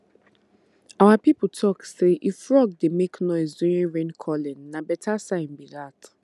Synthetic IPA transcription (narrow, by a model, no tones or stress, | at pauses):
awapip̩tʰɔkseʔifɹɔɡ̚demeknɔɪsdũĩɹẽnkʰɔlɛ̃nːabɛtʰasãɪ̃nbidat